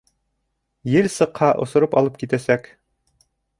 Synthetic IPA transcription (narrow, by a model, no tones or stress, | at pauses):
jɘlsɤ̆qhɑʔŏ̰sŏɾɤpɑlˠɤp̚kit̪æsæk